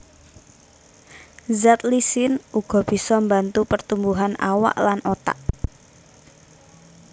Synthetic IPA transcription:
zat̪lisɪnuɡ̥ɔ̤b̥i̤sɔmbant̪upərt̪umbuɦana̰wa̰ʔlanʔot̪a̰ʔ

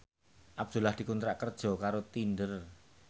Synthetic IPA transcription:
ʔab̚d̪̥ṳlahd̪̥i̤kunt̪ɾaʔkərd̥ʒ̥ɔ̤kaɾot̪indər

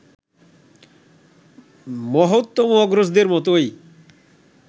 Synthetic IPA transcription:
mɔɦot̪ːomoɔɡɾosd̪eɾmɔt̪̬oj

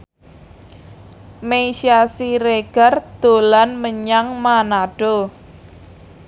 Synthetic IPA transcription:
meʃiasiɾeɡ̥a̤rd̪̥o̤lanməɲaŋmanaɖ̥o

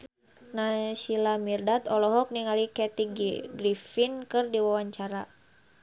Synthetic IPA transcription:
nasilamirdat̪ɔlɔɦɔk̚niŋalikɛt̪iɡiɡɾifinkɨrdiwawaɲt͡ʃaɾa

